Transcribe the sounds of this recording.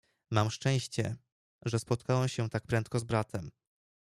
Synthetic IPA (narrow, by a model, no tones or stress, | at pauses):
mamʂt͡ʂɛ̃j̃ɕt͡ɕɛ̰ | ʐɛspɔt̪̚kawɛmɕɛt̪ak̚pɾɛnt̪̚kɔzbɾat̪ʰɛm